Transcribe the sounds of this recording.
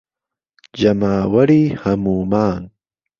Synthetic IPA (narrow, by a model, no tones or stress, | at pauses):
d͡ʒɐmaːwɐɾiːhɐmuːmaːn